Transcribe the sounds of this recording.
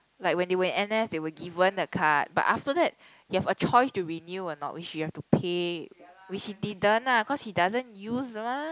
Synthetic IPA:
laɪk̚wɛ̃ndewə̃nɛnɛsdewəɡivə̃ndəkʰat̚ba̰taftədɛt̚ | juhɛvət͡ʃɔjstuɹinjuɔnɔ̰ʔwit͡ʃjuhɛftupʰe | wit͡ʃhidit̚dãnaəkɔshidazə̃njuzəmã

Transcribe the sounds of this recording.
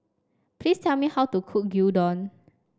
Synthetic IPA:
pʰlistʰɛlmihawtukʰuk̚judɔ̃n

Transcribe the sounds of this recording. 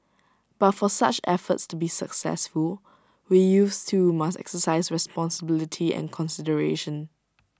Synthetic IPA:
b̥atfɔsa̰t͡ʃɛ̰fə̰tstubisəksɛ̰sful | wijustʰumasɛ̰ksəsaɪsɹɛspɔ̃nsəbɪlɪtʰiɛ̰̃nkʰɔ̃nsɪdəɹḛʃə̃n

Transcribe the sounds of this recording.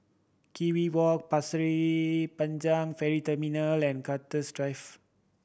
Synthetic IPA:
kiwiwɔk̚pasɹipãnd͡ʒãŋfɛɹitəminalɛ̃nkatəsdɹajf

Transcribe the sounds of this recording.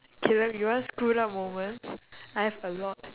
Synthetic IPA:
kʰilə̃pjuwãnskunamõmə̃nsajhɛvəlɔt̚

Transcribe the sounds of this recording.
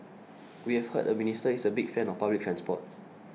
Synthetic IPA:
wihɛvhə̰t̚əministəisəbik̚fɛ̃nɔfpablik̚tʰɹɛ̃nspɔ̰t̚

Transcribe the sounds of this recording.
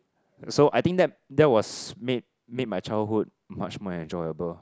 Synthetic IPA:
soʔajt̪ĩŋdɛt̚ | dɛt̚wɔsmed̚ | med̚majt͡ʃaɪlɦud̚ | mat͡ʃmɔɛ̃nd͡ʒɔjəbəl

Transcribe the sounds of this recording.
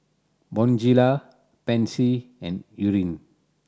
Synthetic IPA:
bɔ̃nd͡ʒila | pɛ̃nsiɛ̃njuɹĩn

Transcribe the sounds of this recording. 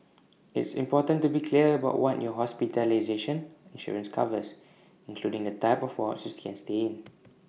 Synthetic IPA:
ɪ̰tsḭ̃mpɔtə̃ntubikʰliəəbaʊʔwʔɔtjɔɦɔspitəlazeʃə̃nĩnʃɔ̰ɹə̃nskʰa̰vəs | ĩnkʰludɪ̃ŋdətaɪpɔfwɔsəstkɛ̃nsteɪ̃n

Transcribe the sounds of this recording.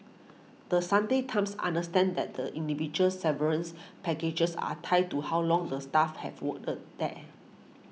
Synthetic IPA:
d̥əsãndetʰãmsã̰ndəstɛ̃ndɛ̰t̚dəʔĩndivid͡ʒuəlsɛvəɹə̃nspɛked͡ʒəsa̰tʰaj̚tuhawlɔ̃ŋdəstafhɛ̰vwək̚tət̚dɛt̚

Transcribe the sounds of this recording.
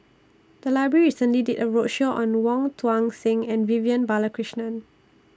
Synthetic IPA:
d̥əlaɪbɹəɹiisə̃nliditəɹotʃoʔɔ̃nwɔ̃ŋtʰwãŋsɪ̃ŋɛ̃nviviə̃nbaləkɹiʃnə̃n

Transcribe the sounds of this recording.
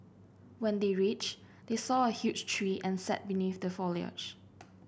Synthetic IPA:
wɛ̃ndeɹit͡ʃ | desɔəhjut͡ʃtʰɹiʔɛ̃nsɛ̰t̚biniθdəfɔliə̰d͡ʒ

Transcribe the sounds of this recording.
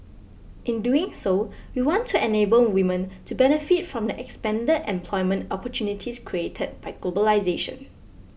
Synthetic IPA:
ʔɪ̃nduɪ̃ŋsowiwɔ̃ntʰːuɛnebəlwĩmə̃ntʰubɛnəfitfɹɔ̃mdəʔɛkspɛ̃ndədɛ̰̃mpʰlɔɪmə̃ntɔpɔtʰjunitʰiskʰɹietʰəd̚baɪɡlobəlaɪzeʃə̰̃n

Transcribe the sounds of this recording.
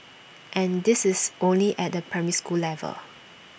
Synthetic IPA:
ʔɛ̃ndɪsɪsʔõnliʔɛt̚dəpʰɹɛmiskulɛvə̰l

